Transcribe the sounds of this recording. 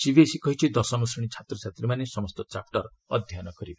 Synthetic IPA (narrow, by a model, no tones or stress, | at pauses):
sibesikɔɦit͡ʃʰid̪ɔsɔmɔsiɽ̃it͡ʃʰat̪ɾɔt͡ʃʰat̪ɾimanesɔmɔst̪ɔt͡ʃap̚ʰʈɔɾɔ | ɔd̪ʱjanɔkɔɾiba